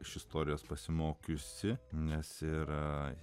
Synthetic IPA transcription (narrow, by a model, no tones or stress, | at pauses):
ɪʃɪst̪oːɾʲɪjoːspɐsʲɪmoːkʲʊsʲɪnʲɛsɪɾ